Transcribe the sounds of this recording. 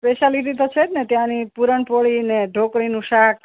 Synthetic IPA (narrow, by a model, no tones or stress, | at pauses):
speʃaliʈ̪̬it̪ʰət͡ʃʰenet̪jãnipuɾəɳpoɭineɖʱokɭinũʃak